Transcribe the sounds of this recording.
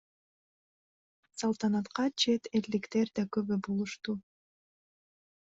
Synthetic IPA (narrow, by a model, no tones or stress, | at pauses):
sɑlˠt̪ɑnɑt̪qɑt͡ʃʰe̞t̪eld̪ikt̪e̞ɾd̪ɑkøβybulˠuʃt̪u